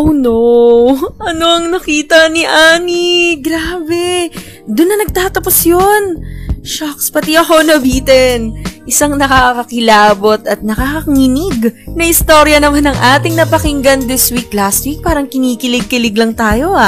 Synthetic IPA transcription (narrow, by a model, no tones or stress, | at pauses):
ʔowno | ʔɐno̞ʔɐŋnɐkiːt̪ɐniʔaːniɡɾaːbɛ | d̪ʊnːɐnɐɡ̚t̪aːt̪ɐposjonʃakspɐt̪iʔɐho̞nɐbiːt̪ɛnʔɪsaŋnɐkakɐkɪlaːbo̞t̪ɐt̪̚nɐkaːkɐŋinɪɡnɐhɪst̪o̞ɾjɐnɐmanɐŋʔaːt̪ɪŋnɐpɐkɪŋɡɐnd̪ɪswik̚last̪̚wik̚paːɾɐŋkɪniːkɪlɪɡ̚kɪlɪɡlɐŋt̪aːjo̞a